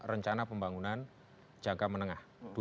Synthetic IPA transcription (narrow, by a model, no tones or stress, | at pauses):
rəɲt͡ʃanapəmbaŋunan̥ | d͡ʒ̥aŋkamənəŋahd̥u